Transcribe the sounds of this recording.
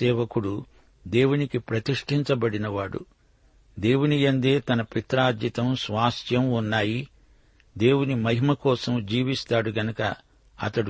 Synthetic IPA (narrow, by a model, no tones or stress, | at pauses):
ɛːʋɐkuɽu | d̪e̞ːwunikipɾɐt̪iʂʈʰiɲt͡ʃɐbɐɽinɐʋaːɽṵ | d̪e̞ːwunijɐnd̪e̞ːt̪ɐnɐpit̪ɾaːd̪jɐt̪ɐmsʋaːst̪jɐmunːaːji | d̪e̞ːwunimɐɦimɐkɔːsɐmd͡ʒiːʋist̪aːɽuɡɐnɐkɐ̰ | ɐ̰t̪ɐɽu